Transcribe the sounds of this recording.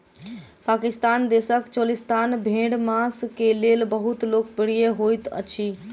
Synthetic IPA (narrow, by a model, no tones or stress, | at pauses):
pakist̪and̪esəkt͡ʃolist̪anbʱẽɽmaskelelbəɦut̪lok̚bəɽ̤ijeɦojt̪ə̰t͡ʃʰi